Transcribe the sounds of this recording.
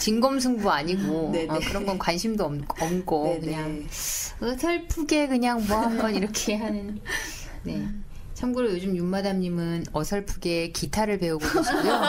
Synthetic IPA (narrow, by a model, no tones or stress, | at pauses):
t͡ɕinɡʌmsʰuŋbuaɲiɡoʌkɯɾʌnɡʌnkwanɕʰimdoʌʌmɡokɯɲaŋ | ʌsʰʌɭpʰuɡe̞kɯɲaŋmoʌaɦambʌniɾʌkʰe̞ɦanɯn | ne̞ | t͡ɕʰʌmɡuɾojod͡ʑumjumadamɲimɯnʌsʰʌɭpʰuɡe̞kitʰaɾɯɭpe̞uɡoɕʰijo